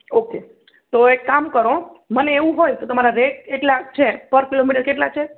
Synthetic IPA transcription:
oke | t̪oekamkəɾoməneeʋũɦojt̪ot̪əmaɾaɾeʈ̚eʈlat͡ʃʰepəɾkilomiʈəɾkeʈlat͡ʃʰe

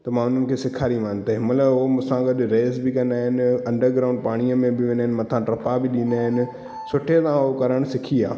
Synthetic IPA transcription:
t̪ɐmãːʊn̤ənɪ̆kʰeːsɪkʰaːɾimaːnt̪ɐɦɪmələomʊ̃sãɡɐɗɾeːzbɪkɐ̃nd̪aːɦɪnɪɐ̃ɳɖəɾɡɾaːʊ̃ɳɖ̚paːɽ̃iəmẽbɪʋẽnaɦɪnmɐt̪ʰãʈɾɐpabɪɗĩnd̪aːɦɪnɪ̆ | sʊʈʰet̪ãɦokɐɾəɽ̃sɪkʰiaː

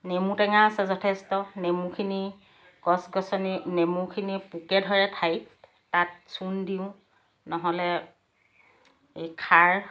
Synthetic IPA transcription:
nemutɛŋaːsɛzɔtʰɛstɔnemukʰini | ɡɔsɡɔsɔninemukʰinipukɛdʱɔɹɛtʰajp | tat̚sundiʊ̃ | nɔɦɔlɛ | ekʰaɹ

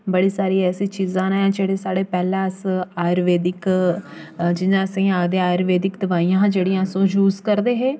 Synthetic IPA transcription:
bəɽiːsaːɾiːɛːsiːt͡ʃiːzãːnãːd͡ʒeːɽeːsaːɽeːpɛːlɛ̃ːəsaːjɾʋeːd̪ɪk | d͡ʒɪnãːsĩːaːɡd̪eːaːɾʋeːd̪ɪkd̪əʋaːijãːd͡ʒeːɽĩjãːsõːd͡ʒuːzkəɾd̪eːɦeː

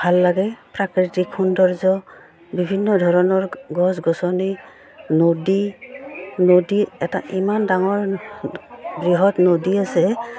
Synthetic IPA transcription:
bʱalːaɡɛpɹakɹitikʰːundɔɹzɔ | bibʱinːɔdʱɔɹɔnɔɹɡɔsɡɔsɔni | nodi | nodiɛta̰ʔimandaŋɔɹ | bɹiɦɔtnodiasɛ

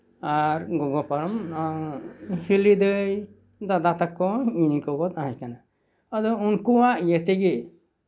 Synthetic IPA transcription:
aɾɡɔɡɔpaɾɔm | hilid̪əj | d̪ad̪at̪akːɔinikɔbɔd̪̚aɦãkana | ad̪ɔunkuwaʔjɛt̪ɛɡɛ

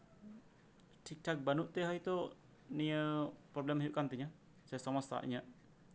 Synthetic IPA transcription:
t̪ik̚ʈak̚banuʔt̪eɦait̪o | niəpɾɔblɛmajuʔkant̪iɲa | sajasamasa̰ʔḭɲaʔ

